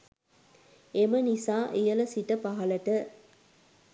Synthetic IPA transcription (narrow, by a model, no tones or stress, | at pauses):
emɐnisãːʔijɐlɐsiʈɐpɐɦɐlɐʈɐ